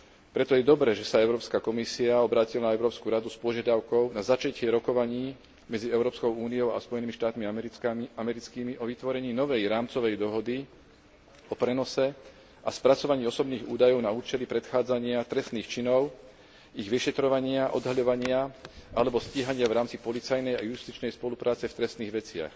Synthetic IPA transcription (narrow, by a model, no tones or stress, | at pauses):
pɾɛt̪ɔjɛd̪ɔbɾɛʒɛsaɛʊɾɔːpskakɔmisiaɔbɾaːcilanaɛʊɾɔːpskuɾad̪uspɔʒɪad̪aʊkɔʊnazat͡ʃacɛɾɔkɔʋaɲiː | mɛd͡ziɛʊɾɔːpskɔʊuːniɔʊa̰spɔjɛnimiʃt̪aːt̪miamɛɾit͡skiːmiʔɔʋit̪ʋɔɾɛɲiːnɔʋɛjɾaːmt͡sɔʋɛjd̪ɔɦɔd̪i | ɔpɾɛnɔsɛ | aspɾat͡sɔʋaɲiːɔsɔbniːɣṵːd̪ajɔʊnauːt͡ʃɛlipɾɛt̪xaːd͡zaɲɪat̪ɾɛst̪niːxt͡ʃinɔʊ | iɣʋiʃɛt̪ɾɔʋaɲɪaʔɔ̰d̪ɦaʎɔʋaɲɪaalɛbɔsciːɦaɲɪavɾaːmt͡sipɔlit͡sajnɛjajust̪it͡ʃnɛjspɔlupɾaːt͡sɛft̪ɾɛst̪niːɣʋɛt͡sɪa̰x